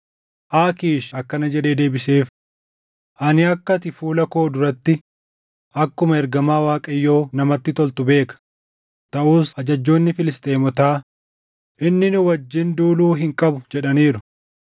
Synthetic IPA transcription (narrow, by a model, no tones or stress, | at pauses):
ʔaːkiːʃɐkːɐnɐd͡ʒɛd̪e̞ːd̪e̞ːbɪse̞ːf | ʔɐnɪɐkːɐt̪ɪfuːlɐko̞ːd̪ʊɾɐt̪ːɪ | ʔɐkːʊmɐɛɾɡɐmaːwaːkʼɐjːo̞ːnɐmɐt̪ːɪt̪ɔlt̪ʊbe̞ːkɐ̥ | t̪ɐʔuːsɐd͡ʒɐd͡ʒːo̞ːnːɪfɪlɪst̪ʼeːmɔt̪aː | ʔɪnːɪnʊwɐd͡ʒːɪnd̪uːluːɦɪŋkʼɐbʊd͡ʒɛᶑɐniːɾʊ